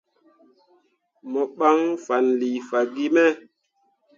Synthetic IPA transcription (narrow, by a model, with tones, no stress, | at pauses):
mɔ˨ɓa˦ŋfa˨nli˨fa˨ɡi˦mɛ˦